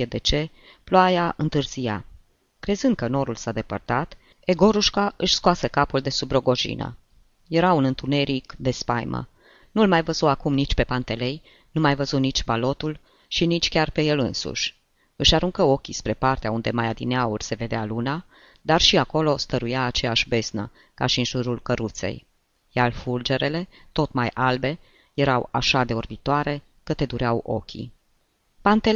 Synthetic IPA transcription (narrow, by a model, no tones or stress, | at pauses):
ed̪e̞t͡ʃe̞ | ploajaɨnt̪ɨrz̥ija̰ | kɾe̞zɨnd̪̚kəno̞ɾulsad̪e̞pə̰rt̪at̪ | e̞ɡo̞ɾuʃkaʔɨʃʲskoasekapuld̪e̞subɾo̞ɡo̞ʒḭnə̰ | je̞ɾaunɨnt̪une̞ɾikd̪e̞spa̰jmʔə̰ | nulmajvəzuakumnit͡ʃʲpe̞pant̪e̞le̞j | numajvəzunit͡ʃʲbalo̞t̪ul | ʃinit͡ʃʲkʲarpe̞je̞lɨnsṵʃʲ | ɨʃaɾuŋkəo̞kʲispɾe̞part̪eaund̪e̞majad̪ineaurʲse̞ve̞d̪ealuna | d̪arʃiako̞lo̞st̪əɾujaːt͡ʃe̞jaʃʲbe̞znə̰ | kaʃiɨnʒuɾulkəɾut̪se̞̰j | jalfuld͡ʒe̞ɾe̞le̞t̪o̞t̪majʔalbe̞ | je̞ɾawa̰ʃad̪e̞orbit̪oaɾe̞ | kət̪e̞d̪uɾeawʔo̞̰kʲḭ | pant̪e